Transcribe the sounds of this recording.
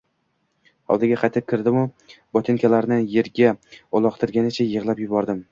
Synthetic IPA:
hɒ̰lˠd̪ɪɡʲaqʰɑjt̪ʰɪp̚kʲʰɪɾd̪ɪmʊ | bɒt̪ʰɪnkʲʰalaɾnɪje̞ɾɡʲaɒlˠɒqt̪ʰɪɾɡʲanɪt͡ʃʰajɨʁlˠapjʊbɒɾd̪ɪm

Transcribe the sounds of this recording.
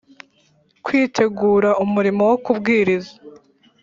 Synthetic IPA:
kwiːtʰe̞ɡuːɾaumuɾimo̞wokubɡiːɾizḁ

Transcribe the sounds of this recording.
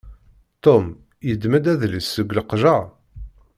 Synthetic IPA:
t̪om | jəd̪mæd̪æðləsːəɡʷləqʒə

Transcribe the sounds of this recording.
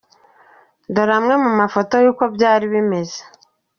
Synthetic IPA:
doɾamŋe̞mumafo̞to̞juːko̞bjaːɾiβime̞ze̥

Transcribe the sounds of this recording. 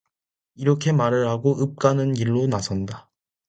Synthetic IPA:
iɾʌkʰe̞maɾɯɭhaɡoʔɯp̚k͈anɯnɡiɭːonasʰʌnda

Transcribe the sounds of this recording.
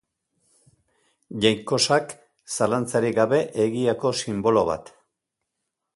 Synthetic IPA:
ʝajŋko̞sak | salant͡saɾiɣaβe̞ʔeɣiako̞simbo̞lo̞βa̰t̪

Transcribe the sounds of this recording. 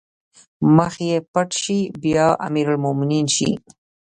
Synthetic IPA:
məxjepaʈʃibjɑʔa̰miɾʊlmʊmɪninʃḭ

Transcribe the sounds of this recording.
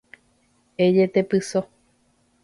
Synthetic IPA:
ed͡ʒet̪epɨso

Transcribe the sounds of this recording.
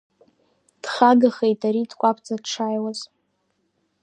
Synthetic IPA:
d̥χaɡaχejtʰʼaɾidkʷʼapʰt͡sʼadʈ͡ʂʰajwaz̥

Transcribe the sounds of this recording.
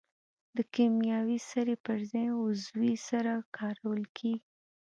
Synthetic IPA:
d̪əkemjɑwisaɾepəɾzɑjʊzwisaɾakʰɑɾawəlkʰeɡi

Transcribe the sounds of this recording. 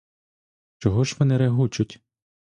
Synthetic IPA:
t͡ʃɔɦɔʒʋɔnɛɾeɦut͡ʃʊtʲ

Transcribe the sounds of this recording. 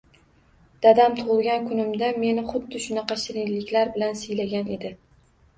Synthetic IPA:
d̪̥ad̪amt̪ʰʊʁlˠɡʲankʰʊnɪmd̪ame̞nɪχʊd̪ːɪʃʊnɑqɑʃɪɾɪŋlɪkʲlaɾbɪlansɪjlaɡʲane̞d̪ɪ

